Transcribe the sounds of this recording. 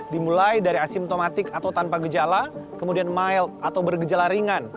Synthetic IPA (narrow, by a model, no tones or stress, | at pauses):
dimulajdaɾiasɪmt̪omat̪ɪkat̪awt̪anpaɡəd͡ʒalakəmudianmaɪlat̪awbərɡəd͡ʒalaɾiŋan